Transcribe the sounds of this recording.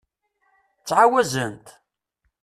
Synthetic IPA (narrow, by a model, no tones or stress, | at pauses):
t͡sːʕawæzənt̪